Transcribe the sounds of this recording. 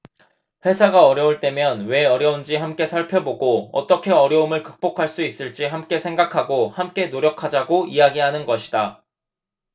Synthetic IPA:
ɸwe̞sʰaɡaʌɾjʌuɭt͈e̞mjʌnwe̞ʌɾjʌund͡ʑihamk͈e̞sʰaɭpʰjʌboɡoʌ̰t͈ʌkʰe̞ʌɾjʌumɯɭkɯk̚p͈okʰaɭs͈uis͈ɯɭt͡ɕ͈iɦamk͈e̞sʰeŋɡakʰaɡohamk͈e̞noɾjʌkʰad͡ʑaɡoiaɡiɦanɯnɡʌɕʰida

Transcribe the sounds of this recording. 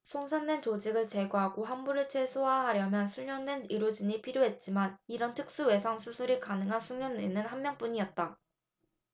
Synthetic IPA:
sʰoŋsʰandwe̞nt͡ɕod͡ʑiɡɯɭt͡ɕe̞ɡoɦaɡoɦanbuɾɯɭt͡ɕʰwe̞sʰoɦaɦaɾjʌmjʌnsʰuɭɲʌndwe̞niɾod͡ʑiɲipʰiɾjoɦe̞t̚t͡ɕ͈imaniɾʌntʰɯk̚s͈uwe̞sʰaŋsʰusʰuɾikanɯŋɦansʰuŋɲʌninːɯnhammjʌŋp͈uɲiʌt̚t͈a

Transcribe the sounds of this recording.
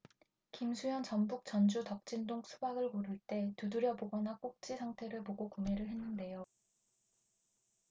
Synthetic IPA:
kimsʰujʌnt͡ɕʌmbuk̚t͡ɕ͈ʌnd͡ʑutʌk̚t͡ɕ͈indoŋsʰubaɡɯɭkoɾɯɭt͈e̞tuduɾjʌboɡʌnak͈ok̚t͡ɕ͈isʰaŋtʰe̞ɾɯɭpoɡokumeɾɯɭɦe̞nːɯnde̞jo

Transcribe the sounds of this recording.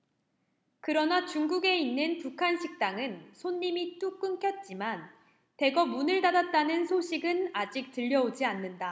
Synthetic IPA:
kɯɾʌnat͡ɕuŋɡuɡe̞inːɯnpukʰanɕʰik̚t͈aŋɯnsʰonːimit͈uk͈ɯŋkʰjʌt̚t͡ɕ͈iman | te̞ɡʌmunɯɭtadat̚t͈anɯnsʰoɕʰiɡɯnad͡ʑik̚tɯʎːʌod͡ʑianːɯnda

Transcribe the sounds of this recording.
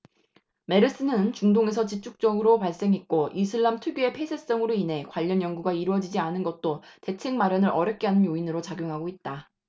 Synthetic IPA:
me̞ɾɯs͈ɯnɯnt͡ɕuŋdoŋe̞sʰʌt͡ɕip̚t͡ɕ͈ʰuk̚t͡ɕ͈ʌɡɯɾopaɭs͈e̞ŋit̚k͈oʔisʰɯɭːamtʰuɡjue̞pʰe̞sʰes͈ʌŋɯɾoinɦe̞kwaʎːʌnjʌŋɡuɡaiɾwʌd͡ʑid͡ʑianɯnɡʌt̚t͈ote̞t͡ɕʰe̞ŋmaɾjʌnɯɾʌɾjʌk͈eɦanɯnjoinɯɾot͡ɕaɡjoŋɦaɡoit̚t͈a

